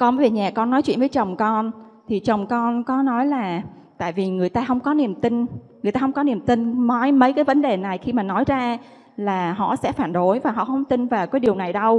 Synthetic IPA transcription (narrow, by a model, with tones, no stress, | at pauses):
kɔ˧ə˨˦e˨˩ɲaː˨˩kɔ˧nːɔ˨˦jt͡ɕwḭ˧˨nvə˨˦jt͡ɕə˨˩wŋ͡mkɔ˧n | t̪ʰi˨˩t͡ɕə˨˩wŋ͡mkɔ˧nkɔ˨˦nɔ˨˦jlaː˨˩ | t̪a̰ː˧˨jvi˨˩ŋɨ˨˩əjt̪aː˧ɦə˧wŋ͡mkɔ˨˦ni˨˩əmt̪ï˧ŋŋɨ˨˩ət̪aː˧hwŋ͡mkɔ˨˦ni˨˩əmt̪ï˧ŋma˨˦jmə˨˦jkaː˨˦jvə˨˦nɗe˨˩na˨˩jxi˧maː˨˩nɔ˨˦jzaː˧ | laː˨˩ɦɔ̰˧˨sɛ̰˧˥faː˧˩nɗo˨˦jvaː˨˩ɦɔ̰˧˨hə˧wŋ͡mt̪ï˧ŋvaː˨˩wkaː˨˦jɗi˨˩əwna˨˩jɗə˧w